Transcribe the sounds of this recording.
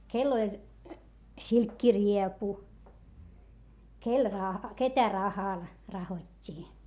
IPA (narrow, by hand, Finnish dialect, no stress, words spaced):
kelː olʲ silkːiriepu kel rɑhɑ ketæ rɑhɑl rɑhotʲːiː